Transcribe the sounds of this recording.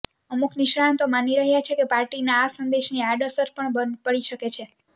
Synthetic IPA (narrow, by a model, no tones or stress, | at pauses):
əmukniʃɽant̪omaniɾəɦjat͡ʃʰekepaɾʈinaːsənd̪eʃniaɖəsəɾpəɳpəɽiʃəket͡ʃʰe